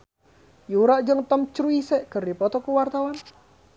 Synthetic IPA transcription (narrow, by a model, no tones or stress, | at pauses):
juɾaʔd͡ʒəŋt̪ɔmt͡ʃɾuisɛʔkərdipɔt̪ɔkuwart̪awan